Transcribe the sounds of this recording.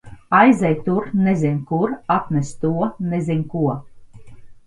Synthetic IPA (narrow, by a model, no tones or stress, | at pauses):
ajzɛjt̪uɾnezʲinʲkuɾapnʲɛst̪uɔnezʲinʲkuɔ